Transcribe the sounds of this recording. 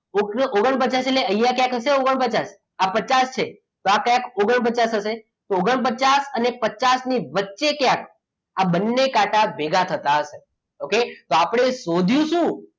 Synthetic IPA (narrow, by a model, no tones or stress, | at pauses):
oɡoɡəɳp̬ət͡ʃaseleəjakjãkɦəʃeoɡəɳpət͡ʃas | apət͡ʃast͡ʃʰe | t̪oakjãkoɡəɳp̬ət͡ʃasɦəse | t̪ooɡəɳp̬ət͡ʃasənepət͡ʃasniʋətːʃekjãk | abənːekaʈabeɡʱat̪ʰət̪aɦəʃe | oket̪oapəɽ̃esod̪ʱjũʃũ